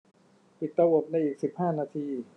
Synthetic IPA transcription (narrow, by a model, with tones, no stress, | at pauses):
pi˨˩t̪ːa˧wo˨˩p̚na˧jʔiː˨˩k̚si˨˩p̚haː˥˩naː˧t̪ʰiː˧